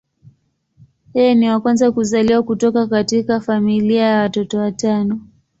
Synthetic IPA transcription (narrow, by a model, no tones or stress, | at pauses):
hɛniwakwanzakuzaliwakutɔkakatikafamiliajawatɔtɔwatanɔ